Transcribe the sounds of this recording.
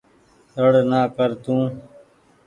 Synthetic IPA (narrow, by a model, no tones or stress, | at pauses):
t̪əɽnaːkəɾt̪ũː